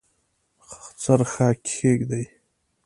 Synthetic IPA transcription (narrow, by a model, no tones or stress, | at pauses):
xt͡saɾxaːkeɡd̪aj